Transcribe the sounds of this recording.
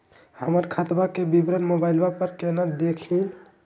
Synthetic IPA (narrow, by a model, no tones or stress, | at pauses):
həməɾkʰət̪bakebibɾənmobajlbapəɾkenəd̪ekʰĩ